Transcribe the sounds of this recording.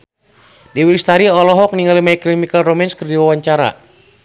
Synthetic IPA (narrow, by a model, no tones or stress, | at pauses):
diwilist̪aɾiɔlɔɦɔk̚niŋɡalimaiklimikalromɛnskərdiwawaɲt͡ʃaɾa̰